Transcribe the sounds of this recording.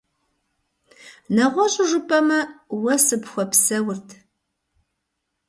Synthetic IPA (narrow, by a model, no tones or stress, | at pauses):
nɐʁʷɔɕʼɪʒʷʊpʼɐmɐwɐsɨpxʷɔpsɐwʊrtʰ